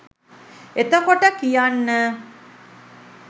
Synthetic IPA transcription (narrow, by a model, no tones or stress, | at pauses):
et̪əkoʈəkijanːə